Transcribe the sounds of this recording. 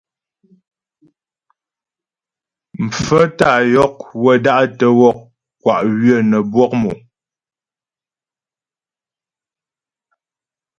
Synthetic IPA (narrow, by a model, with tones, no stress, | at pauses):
m̩˨p͡fə˦ta˦˨jɔ˦k̚wə˦˨da˦ʔtə˦wɔ˦˨k̚ | kːwa˨ʔɣɥə˦˨nə˨bwɔ˦k̚mɔ̰˨